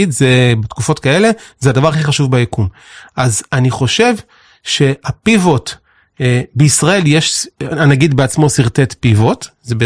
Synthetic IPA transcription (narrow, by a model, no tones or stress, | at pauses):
idzebetkufo̞tkae̞le̞zeadavaʁaχiχaʃuvbajekum | ʔazaniχo̞ʃe̞v | ʃe̞apivo̞t | beisʁae̞ljeʃanaɡid̪beat͡smo̞siʁt̪e̞tpivo̞tzebe